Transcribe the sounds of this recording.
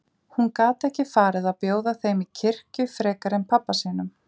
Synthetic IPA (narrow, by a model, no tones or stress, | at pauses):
hunkaːt̪ɛhcɪfaːɾɪðaðpjoːwðaθejmicʰɪr̥cʏfɾɛːkaɾɪnpʰapːasiːnʏm